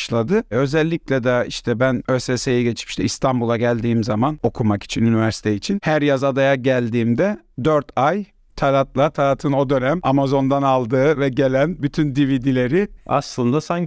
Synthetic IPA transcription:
ʃlˠad̪ɯø̞zɛlʲːiclʲɛd̪ɛiʃt̪ʰɛbænøsesejiɟe̞t͡ʃʰi̥pʃt̪ɛist̪ʰanbulˠaɟælʲd̪iːmzamano̞kʰumaki̥t͡ʃʰinynivæɾsi̥t̪ʰeit͡ʃʰinhæɾjazad̪ajaɟælʲd̪iːmd̪ɛ | d̪øɾt̪ʰaj | t̪ʰalʲat̪lˠat̪ʰalʲat̪ʰɯno̞d̪ø̞næmamazo̞nd̪analˠd̪ɯːvɛɟe̞lʲænbyt̪ʰynd̪ivid̪ilʲe̞ɾɪa̰slˠɯnd̪asaɲ

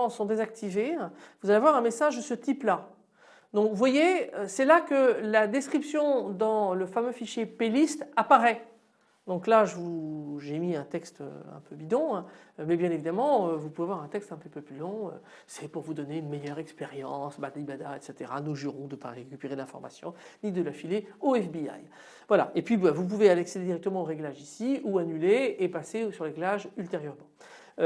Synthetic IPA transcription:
ɑ̃sɔ̃d̪ezak̚t̪ʰivẽvuzalevwaʁɛ̃mesaʒd̪əsət̪ipla | d̪ɔ̃kvwajeøsɛlakəlad̪ɛskχipsjɔ̃d̪ɑ̃ləfamøfiʃjepelist̪apaʁɛ | d̪ɔ̃klaʒəvuuʒemiɛ̃t̪ɛkst̪ø̰ɛ̰̃pʰøbid̪ɔ̃ɛ̃mɛbjɛ̃nevid̪amɑ̃øvupuvevwaʁɛ̃t̪ɛkst̪ɛ̃pøpøplylɔ̃ø̰ | sɛpuʁvud̪ɔneynmɛjœʁɛkspeʁjɑ̃sbat̪libad̪aɛ̰t̪set̪eʁanoʒyʁɔ̃d̪əpa̰ʁekʲypeʁed̪lɛ̃fɔ̰ʁma̰sjɔ̃nid̪əlafileoɛfbia̰j | vwala̰ʔepɥibɛvup̬uvealeaksed̪ed̪iʁɛk̚t̪əmɑ̃oʁeɡlaʒisiuanyleepasesyʁleɡlaʒylt̪eʁjœʁmɑ̃

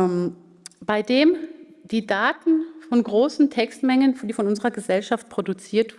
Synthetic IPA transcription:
b̥aɪdeːm | d̥iːdaːtn̩fɔnɡʁoːsn̩tʰɛkstmɛŋənd̥iːfɔnʊnzəʁɐɡəzɛlʃaft̚pʁ̥odut͡siːɐt

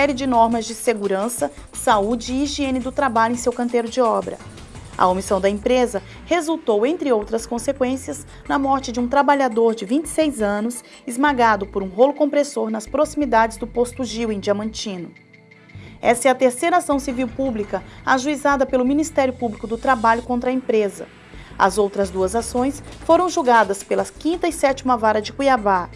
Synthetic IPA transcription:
ɛɾjɪd͡ʒɪnɔɾmɐzd͡ʒɪseɡuɾɐ̃sɐsaud͡ʒɪːʒiẽnɪd̪ʊt̪ɾabaʎʊẽj̃sewkɐ̃nt̪eɾʊd͡ʒɪɔbɾɐ̰ | ɐ̰omisɐ̃w̃d̪ɐẽpɾezɐ | hezuwt̪owẽnt̪ɾɪowt̪ɾɐskõsekwẽsiɐz | nɐmɔɾt͡ʃɪd͡ʒɪũt̪ɾabaʎad̪oɾd͡ʒɪvĩnt͡ʃɪ̥sejzɐ̃nʊs | ɪzmaɡad̪ʊpoɾũɦolʊkõpɾesoɾnɐspɾosimid̪ad͡ʒɪzd̪ʊpost̪ʊʒiwẽj̃d͡ʒiɐmɐ̃nt͡ʃĩnʊ | ɛsɛɐt̪eɾsejɾɐasɐ̃w̃siviwpublikɐaʒuizad̪ɐpelʊmĩnist̪ɛɾjʊpublikʊd̪ʊt̪ɾabaʎʊkõnt̪ɾɐẽpɾezɐ̰ | ɐ̰zowt̪ɾɐzd̪uɐzasõj̃sfoɾɐ̃w̃ʒuɡad̪ɐspelɐkĩnt̪ɐisɛt͡ʃimɐvaɾɐd͡ʒɪkujava

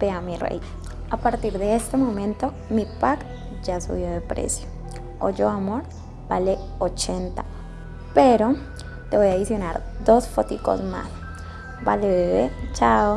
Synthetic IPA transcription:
peamirḛj | apaɾt̪iɾðeest̪emõmẽnt̪o | mipak | d͡ʒasṵβjoðepɾḛsjo̥ | o̰d͡ʒoamoɾ | b̥ale | ot͡ʃent̪a | peɾo | t̪eβojaðisjona̰ɾd̪osfot̪iko̰sma̰s | balet͡ʃao

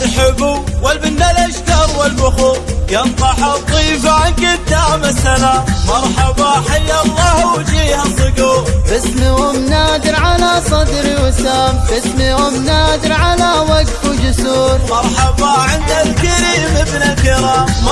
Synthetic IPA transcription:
ħɪbuwalbɪnːalʔaʃt̪ɑɾˤwɪlbʊxuːjɑntˤɑħat̪ˤːiːfaʕankɪt̪ːamasʔalamɑɾˤħɑbaħajːɑlːɑhd͡ʒiːhasˤɨɡuːɾbɪsmihʊmnaːd̪ɪɾʕalasˤɑd̪ɾiwɪsaːmbɪsmihʊmnaːd̪ɪɾʕalawaɡt̪ud͡ʒʊsuːɾmɑɾˤħɑbaʕɪnd̪alkɪɾiːmɪbnalkɪɾaːm

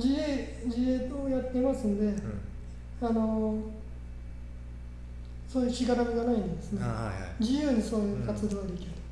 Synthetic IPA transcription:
d͡ʑie | d͡ʑieːt̪oːjat̪ːe̞masɨnd̪e̞ | ano̞ | soːjɯ̟ɕiɡat̪amiɡanaĩnd̪e̞sɨned͡ʑijɯ̟ːɲ̟isoːjɯːkat͡sɨd̪o̞ːɡad̪e̞kʲiɾɯ

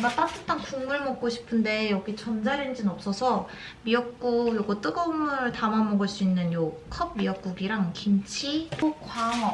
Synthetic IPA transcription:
map͈at͈ɯt͈aŋkuŋmuɭmʌk̚k͈oɕʰi̥pʰɯnde̞jʌɡit͡ɕʌnd͡ʑaɾɯnd͡ʑinʌp̚s͈ʌsʰʌ | miʌk̚k͈ujoɡʌt͈ɯɡʌmɯɭtamamʌɡɯɭs͈uinːɯnjo | kʰʌb̚miʌk̚k͈uɡiɾaŋkimt͡ɕʰiokwaŋʌ

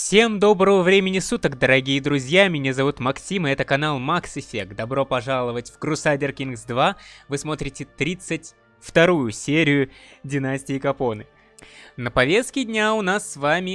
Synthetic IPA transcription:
fsʲe̞md̪o̞bɾəvəvɾʲemʲɪnʲɪsut̪əkd̪əɾɐɡʲijəd̪ɾʊzʲjamʲnʲezɐvut̪mɐksʲiməɛt̪əkɐn̪alˠmaksɪfʲe̞k̚d̪ɐbɾo̞pɐʐalˠəvətʲvɡɾʊsadʲɪrkʲinɡsd̪vavɨsmo̞t̪ɾʲɪtʲɪt̪ɾʲit̪sɨtʲ | ft̪ɐɾujʊsʲeɾʲɪjʊdʲɪnasʲtʲɪɪkɐpo̞nɨ | nəpɐvʲe̞st̪̚kʲɪdʲnʲaʊnasːvamʲɪ

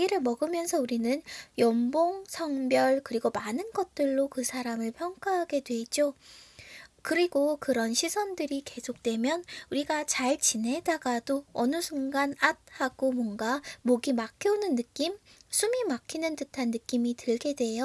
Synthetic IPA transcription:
ɡiɾɯɭmʌɡɯmjʌnsʰʌuɾinɯnjʌmboŋsʰʌŋbjʌɭkɯɾiɡomanɯnɡʌt̚t͈ɯɭːokɯsʰaɾamɯɭpʰjʌŋk͈aɦaɡe̞dwe̞d͡ʑo | kɯɾiɡokɯɾʌnɕʰisʰʌndɯɾike̞sʰok̚t͈we̞mjʌnuɾiɡat͡ɕaɭt͡ɕine̞daɡadoʌnɯsʰuŋɡanat̚haɡ̥omwʌnɡamoɡimakʰjʌonɯnːɯk͈im | sʰumimakʰinɯntɯtʰanːɯk͈imitɯɭɡe̞dwe̞jo

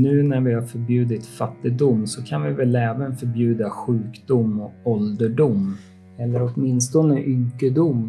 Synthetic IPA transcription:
nʉ̟ːnæɾvɪhaɾfœɾbjʉ̟ːd̪ɪt̪fat̪ːɪɡd̪ʊmːsɔkʰanvɪvɛlɛːvənfœɾbjʉ̟ːd̪aɧʉ̟ːkd̪ʊmːɔkɔld̪əɖʊmː | ɛlːəɾɔt̪mɪnst̪ɔnəʔʏŋkːəd̪ʊmː

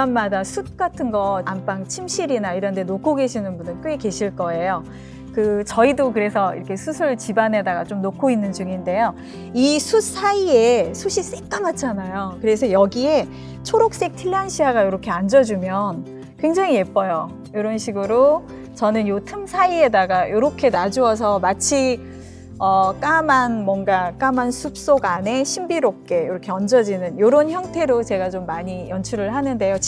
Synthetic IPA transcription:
anmadasʰut̚k͈atʰɯnɡʌampaŋt͡ɕʰimɕʰiɾinaiɾʌnde̞nokʰoɡe̞ɕʰinɯnbundɯnkʰɯɡeke̞ɕʰiɭk͈ʌe̞jo | kɯt͡ɕʌidokɯɾe̞sʰʌḭɾʌkʰe̞sʰusʰɯɭt͡ɕibanɦe̞daɡat͡ɕ͈omnokʰoinːɯnd͡ʑuŋinde̞jo | isʰus͈ʰaiesʰuɕʰis͈ek̚k͈amat͡ɕʰanajokɯɾe̞s̬ʰʌjʌɡie̞ | t͡ɕʰoɾok̚s͈e̞k̚tʰiɭːanɕʰiɦaɡajoɾʌkʰe̞and͡ʑʌd͡ʑumjʌn | kwe̞ŋd͡ʑaŋie̞p͈ʌjo | joɾʌnɕʰiɡɯɾo | t͡ɕʌnɯnjotʰɯmsʰaie̞daɡajoɾʌkʰe̞nad͡ʑuʌs̬ʰʌmat͡ɕʰi | ʌk͈amanmwʌnɡak͈amansʰup̚s͈oɡane̞ɕʰimbiɾop̚k͈e̞joɾʌkʰe̞ʌnd͡ʑʌd͡ʑinɯnjoɾonçjʌŋtʰe̞ɾot͡ɕe̞ɡat͡ɕomːaɲijʌnt͡ɕʰuɾɯɭhanɯnde̞jo

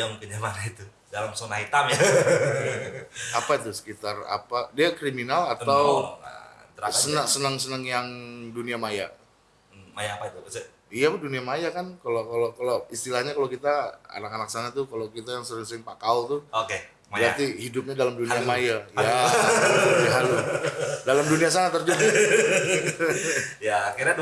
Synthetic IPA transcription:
jampinəmanait̪u | dalamsonahit̪amja | apait̪usə̥kit̪ara̰padiakɾiminalat̪aw̰̪ | əɾsənəsənəŋsənəŋjaŋduniamaja | majapat̪us | ijaduniamajakankalokalokaloist̪ilahɲakalokit̪aa̰nakanak̚sanat̪ukalokit̪ajaŋsəɾɪŋsəɾɪŋpakawt̪ʊoke | bɾat̪ihidʊp̚ɲadalamduniamajaja | aɦaludalamdunias̬anat̪ərd͡ʒub | jaakirɲa

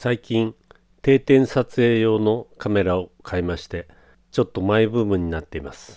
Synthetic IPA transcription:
saikʲĩn | t̪e̞ːt̪ẽ̞ɰ̃sat͡sɨe̞ːjo̞ːno̞kame̞ɾaokʰaimaɕi̥t̪e̞ | t͡ɕo̞t̪ːo̞maibɯ̟ːmɯ̟̃ɲ̟ːinat̪ːe̞imasɨ̥

